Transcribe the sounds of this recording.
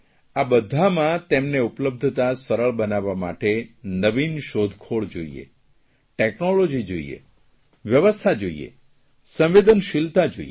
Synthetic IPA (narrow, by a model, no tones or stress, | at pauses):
abəd̪ʱamãt̪emneupləb̚d̪ʱt̪asəɾəɭbənaʋama̰ʈenəʋinʃod̪ʱkʰoɭd͡ʒoḭḛ | ʈeknolod͡ʒid͡ʒoḭḛ | ʋjəʋəst̪ʰad͡ʒoḭḛ | sə̃mʋed̪ənʃɪlt̪ad͡ʒo̰i